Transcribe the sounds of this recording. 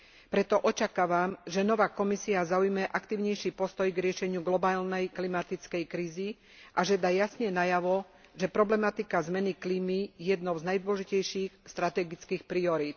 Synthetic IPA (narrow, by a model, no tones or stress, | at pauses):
pɾɛt̪ɔʔɔt͡ʃakaːʋamʒɛnɔʋaːkɔmisiazaujmɛʔakt̪iːʊɲɛjʃipɔst̪ɔjɡɾɪɛʃɛɲɪuɡlɔbaːlnɛjklimat̪it͡skɛjkɾiːzi | ʔaʒɛd̪ajasɲɛnajaʋɔ | ʒɛpɾɔblɛmat̪ikazmɛnikliːmijɛjɛd̪nɔʊznajd̪ʊɔʒicɛjʃiːxst̪ɾat̪ɛɡit͡skiːxpɾiɔɾiːt̪